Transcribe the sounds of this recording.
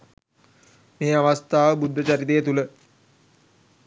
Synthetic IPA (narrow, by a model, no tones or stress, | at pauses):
meːaʋast̪aːʋəbud̪ʱːət͡ʃaɾit̪ejət̪ulə